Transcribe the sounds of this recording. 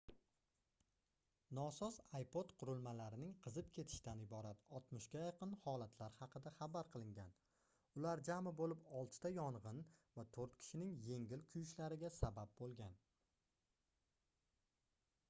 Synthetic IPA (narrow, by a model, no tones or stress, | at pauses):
nɒsɒzajpot̪qʰʊɾɪlˠmalaɾɪnɪŋqʰɨzɪpkʲʰe̞t̪ʰɪ̥ʃt̪anɪbɒɾat̪ɒt̪mʊʃkʲajɑqʰɨnhɒlˠat̪ʰlaɾhɑqʰɨd̪aχabaɾqʰɨlˠɪŋɡʲan | ʊlaɾd͡ʒamɪbolɪpɒlˠt̪ʰt̪ajɒɴʁɨnvat̪ʰoɾt̪kʲʰɪ̥ʃɪnɪŋje̞ŋɡʲɪlkʲʰʊjʃlaɾɪɡʲasabap̚bolˠɡʲan